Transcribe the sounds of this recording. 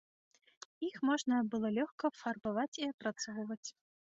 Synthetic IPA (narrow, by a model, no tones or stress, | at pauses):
ixmɔʐnɐbɨlˠɔlʲɔxkɐfɐrbavat͡sʲiɐpɾɐt̪sɔvvɐt͡sʲ